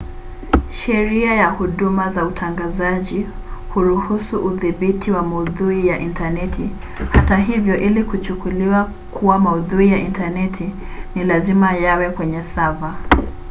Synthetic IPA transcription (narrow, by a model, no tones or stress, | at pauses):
ʃɛɾiajahuɗumazautʰaŋɡazaʄi | huɾuhusuʔuðiɓitʰiwamauðuijaʔintanɛtʰi | hataɦivjɔʔilikut͡ʃukuliwa | kuwamauðuijaʔintanɛtʰi | nilazimajawɛkwɛɲɛsava